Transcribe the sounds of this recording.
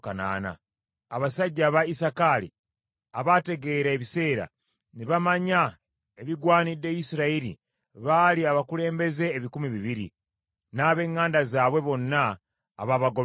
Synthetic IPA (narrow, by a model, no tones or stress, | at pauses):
kana̰ːna̰ː | βasaɟːaβaisakalḭ | aβate̞ɡe̞ɾaeβise̞ːɾa̰ | niβamaɲa | eβiɡwaːnidːe̞jisiɾaiɾḭ | βaliaβakule̞ːmbe̞ze̞ːβikumiβiβiɾḭ | naːβe̞ːŋːaːndazaːβwe̞βo̞nːa̰ː | βaβaɡo